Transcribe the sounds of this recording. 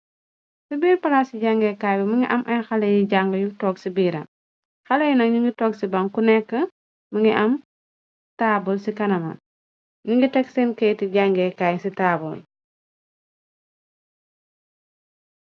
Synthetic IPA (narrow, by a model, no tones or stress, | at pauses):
sibiːɾpɐlasiɟaŋɡɛkaːjbɐmɐŋɡiʔɐmʔɐjxɐlɐjiɟaŋɡəjuɡtɔːksibiːɾɐ̰ | xɐlɐjunɐkɲuŋɡitɔːksibɐŋkunɛkːə | mɐŋɡiʔɐm | taːbulsikɐnɐmɐ̰ | ɲuŋɡitɛksinkɛjtiɟaŋɡɛkajsitaːbul